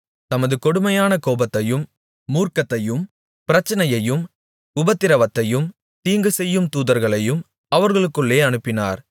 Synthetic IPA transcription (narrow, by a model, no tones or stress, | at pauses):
t̪ɐmɐðɯkɔɽɯmɐjaːnɐkoːbɐt̪ːɐjɯmː | uːrkɐt̪ːɐjɯm | pɪɾɐt͡ʃːɐnɐjɐjɯm | ʊbɐt̪ːɪɾɐʋɐt̪ːɐjɯm | t̪iːŋɡɯsɛjːɯmt̪uːðɐɾɣɐɭɐjɯm | ɐʋɐɾɣɐɭɯkːɯɭːeːɐnɯpːɪna̰ːɾ